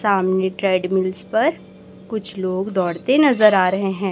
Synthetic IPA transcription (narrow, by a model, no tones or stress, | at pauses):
saːmneʈɾeːɖmɪlspɐɾ | kʊt͡ʃʰloːɡd̪ɔːɽt̪enɐzəɾaːɾɐɦeɦɛ̃ː